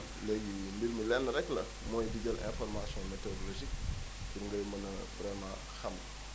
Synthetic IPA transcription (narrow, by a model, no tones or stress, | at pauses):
leɡimbilməlɛnːəɾɛklɐ | mojdiɡɐlʔɛ̰̃fɔɾmasjɔ̃metodoloʒik | fiɾŋɡəjmɐnɐvɾɛmãː | xam